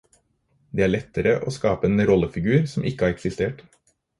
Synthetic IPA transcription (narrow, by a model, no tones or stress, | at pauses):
d̪eːæːɭɛt̪ːəɾəʔo̰ːskɑːpəeːnɾɔləfɪɡʉːɾsɔmʔɪkːəæɑːɾɛksɪst̪eːʈ